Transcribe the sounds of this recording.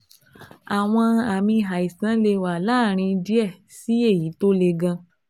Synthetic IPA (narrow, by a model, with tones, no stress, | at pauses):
a˨w̃ɔ̃˧a˨mĩ˧ɦa˨i˨sã˨˦le˧wa˨la˦˨ɾ̃ĩ˧di˦ɛ˦˨si˦e˦˨ji˨˦to˦le˧ɡã˧